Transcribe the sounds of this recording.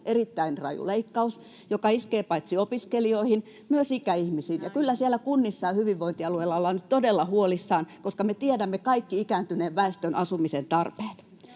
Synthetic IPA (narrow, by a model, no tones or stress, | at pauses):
ʔerit̪ːæinrɑ̰jṵleikːɑus | jokɑiskeːpɑit̪siopiskelioihin | myøsikæihmisiːnjɑkylːæsielːˑækunːisːɑːhyʋiʋʋoint̪iɑlueilːɑolːɑnyt̪t̪odelːɑhuolisːɑːnkoskɑmet̪iedæmːekɑikːiikæːnt̪yneːʋʋæest̪ønʔɑsumisent̪ɑrpe̥ːt̪